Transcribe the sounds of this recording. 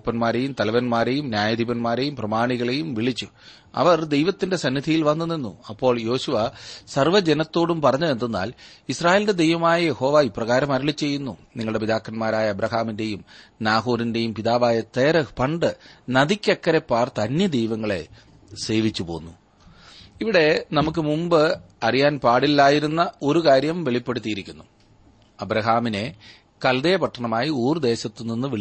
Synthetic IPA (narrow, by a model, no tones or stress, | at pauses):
pːɐnmaːɾe̞jumt̪ɐlɐʋɐnmaːɾe̞jumnjaːjɐd̪ibɐnmaːɾe̞jumprɐmaːɳiɣɐɭe̞jumʋiɭit͡ɕːu | ɐ̰ʋɐrd̪e̞jʋɐt̪ːinde̞sɐnːid̪ʱijilʋɐnːunːenːuɐpːo̞ːɭjo̞ːɕuʋɐsɐrʋɐd͡ʑenɐt̪ːo̞ːɽumpɐrɐɲːuend̪unːa̰ːlisraːje̞ːlde̞d̪e̞jʋɐmaːjɐjeho̞ːʋaːipːrɐɣaːɾɐmɐɾɐɭit͡ɕːe̞jːunːuniŋːɐɭɽep̬id̪aːkːɐnmaːɾaːjɐːbɾɐɦaːminde̞jumnaːɦoːɾinde̞jumpiðaːʋaːjɐt̪eːrɐpɐɳɖɨnɐðikʲːekːɐɾepːaːrt̪ɐnjɐd̪ejʋɐŋːɐɭe̞̰ | se̞ːʋit͡ɕːupo̞ːnːu | iʋiɽe̞nɐmuk̬ːɨmumbɨ | ɐrijaːnpaːɽilːaːjiɾunːɐo̞ɾukaːɾjɐmʋe̞ɭipːe̞ɽut̪ːijiɾikʲːunːu | ɐbɾɐɦaːmine̞ | kɐld̪eːɐpɐʈʰːɐɳɐmaːjiuːrɨd̪e̞ːɕɐt̪ːuninːɨʋeɭ